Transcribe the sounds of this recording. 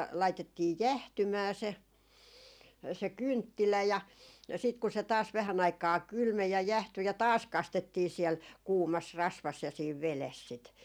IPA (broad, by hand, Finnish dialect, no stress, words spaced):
lɑitetːiː jæhtymæː se se kyntːilæ jɑ sit ku se tɑːs ʋæhæn ɑikɑː kylmej jɑ jæhty jɑ tɑːs kɑstetːiː siɛl kuːmɑs rɑsʋɑs jɑ siːʋ ʋeles sit